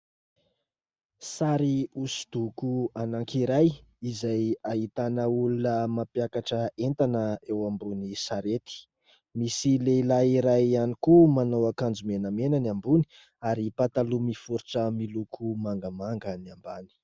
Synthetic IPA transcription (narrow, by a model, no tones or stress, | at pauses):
saɾiusi̥d̪̥ukuanaŋkiɾajizajaɦit̪anəulunəmapjakaʈ͡ʂəent̪anəewambunisaɾet̪i̥ | misileilaiɾajanikumanowakand͡zumenəmenaniambuni̥ | aɾipat̪alumifuɾi̥ʈ͡ʂəmilukʰumaŋɡəmaŋɡəniambani̥